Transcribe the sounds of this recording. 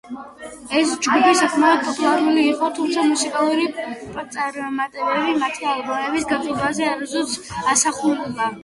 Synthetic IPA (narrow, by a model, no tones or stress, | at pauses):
ɛsd͡ʒɡupʰisakʰmɛɔd̪̚pʰʼɔt̪ʼulˠaɾuliːqʼɔt̪ʰumt̪sʰamusikʼalˠuɾipʼt̪sʼaɾmat̪ʼɛbɛbimat̪ʰialˠbamɛbisɡat̪ʼɔbazɛaɾazɔt̪sʰasaχululˠa